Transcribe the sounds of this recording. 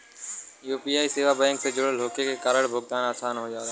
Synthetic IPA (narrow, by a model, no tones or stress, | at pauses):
juːpiːaːiseːʋabɛ̃ːŋksed͡ʒʊɽəl̤oːkekekaɾəɽbʱʊɡ̚t̪aːnaːsaːnɦod͡ʒaːɾa